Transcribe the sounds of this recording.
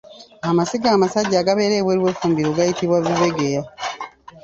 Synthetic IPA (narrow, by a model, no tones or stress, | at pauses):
amasiɡaːmasaɟːaːɡaβe̞ːɾeːβweːɾiwe̞fuːmbiɾoɡajitiβwaβiβe̞ɡeja